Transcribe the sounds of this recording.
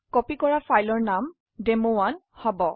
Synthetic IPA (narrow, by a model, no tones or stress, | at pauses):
kɔpikɔɹafajlɔɹnam | demowan | hɔbɔ